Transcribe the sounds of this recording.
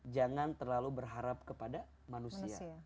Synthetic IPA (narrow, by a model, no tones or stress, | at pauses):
d͡ʒaŋant̪ərlalubərɦaɾap̚kəpada | manusia